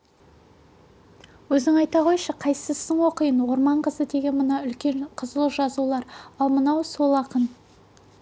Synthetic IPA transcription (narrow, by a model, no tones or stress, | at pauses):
wɵzɪŋɑjt̪ɑʁo̞jəʃəqʰɑjsəsəɴwo̞qəjənwo̞ɾmɑɴqəzəd̪e̞ɡʲe̞nmənɑʏlkʲe̞ɴqʰəzəlˠəʒɑzulˠɑɾɑlˠmənɑwso̞lˠɑqən